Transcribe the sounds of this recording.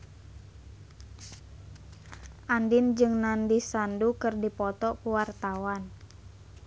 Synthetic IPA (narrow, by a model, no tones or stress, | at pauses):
ʔandɪnd͡ʒɨŋnandisandukɨrdipɔt̪ɔkuwart̪awan